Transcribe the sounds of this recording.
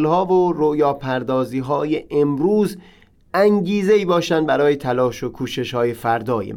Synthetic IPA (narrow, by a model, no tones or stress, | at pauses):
lhɒːvoɾojɒːpʰæɾd̪ɒːziːɦɒːjeʔemɾuːz | ʔæŋɟiːzeiːbɒːʃænd̪bæɾɒːje̞t̪ʰælɒːʃokʰuːʃe̞ʃhɒːje̞fæɾd̪ɒːjḛ